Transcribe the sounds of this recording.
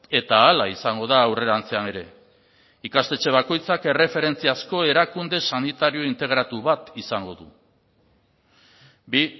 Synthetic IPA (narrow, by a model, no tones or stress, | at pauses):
e̞t̪aːlaisaŋɡo̞ðaːwre̞ɾant͡seane̞ɾe̞ | ikast̪e̞t͡ʃe̞βako̞jt͡sake̞re̞fe̞ɾe̞nt͡siasko̞e̞ɾakund̪e̞sanit̪aɾio̞int̪e̞ɣ̞ɾat̪uβat̪isaŋɡo̞ðṵ | bi